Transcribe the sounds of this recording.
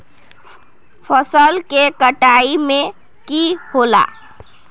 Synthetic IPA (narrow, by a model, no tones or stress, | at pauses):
pʰəsəlkekəʈaime | kihola̰